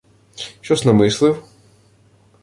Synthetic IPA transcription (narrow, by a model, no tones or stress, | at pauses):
t͡ʃɔznɐmɪslˠɪw